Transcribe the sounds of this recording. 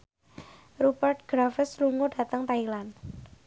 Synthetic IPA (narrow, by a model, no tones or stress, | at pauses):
rupərt̪̚ɡ̥ɾafəsluŋʊda̤t̪əŋt̪ailan